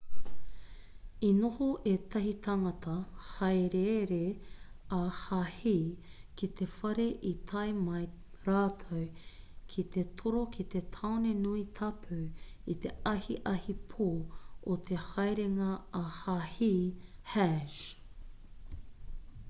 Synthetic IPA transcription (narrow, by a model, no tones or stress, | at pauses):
inohoʔet̪ɐɦit̪ʰɐŋɐt̪ʰɐhɐjɾeɾeahahiː | kit̪ʰefɐɾe̞ʔit̪ʰɐjmɐj | ɾaːt̪ʰɐwkʰit̪e̞t̪ʰoɾokʰit̪e̞t̪ʰawnenuit̪ʰɐpʰʉit̪eɐhiʔɐhipʰoːot̪ʰehɐjɾeŋɐːhahihæʃ